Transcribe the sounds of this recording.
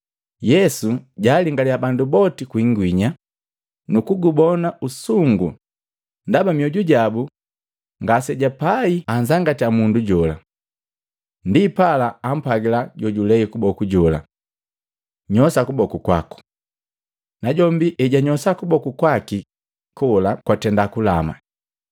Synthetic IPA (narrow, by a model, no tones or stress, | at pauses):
jɛsuɟaːliŋɡaliabandubɔtikwiŋɡwiɲa | nukuɡubɔnausuŋɡṵ | ndabamiɔɟuɟabu | ŋɡasɛɟapaiaɲzaŋɡatiamunduɟɔla̰ | ndipalaːm̩paɡilaɟɔɟulɛikubɔkuɟɔla̰ | ɲɔsakubɔkukwa̰ku̥ | naɟɔmbiʔɛɟaɲɔsakubɔkukwaki | kɔlakwatɛndakulama̰